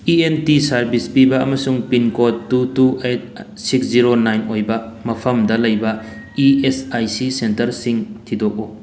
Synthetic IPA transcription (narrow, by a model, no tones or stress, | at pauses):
ienpisɐɾbispibɐːmɐsuŋpinkotːutuet̚ | siksziɾonajnojbɐmɐpʰɐmdɐlɐjbɐ | iesajsisentɐɾsiŋtʰidok̚u